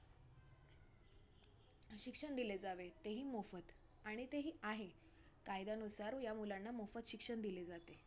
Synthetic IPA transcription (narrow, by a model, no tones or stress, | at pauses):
ɕikʂəɳd̪iled͡zaʋet̪eɦiːmofət̪ | aɽ̃it̪eɦiːaɦe | kajd̪anusaɾjamulanːamofət̪ɕikʂəɳd̪iled͡zat̪e